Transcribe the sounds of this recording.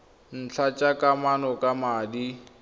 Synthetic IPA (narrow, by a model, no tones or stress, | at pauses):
n̩t͡ɬʰat͡ʃʼakʼamanɔkʼamaːdi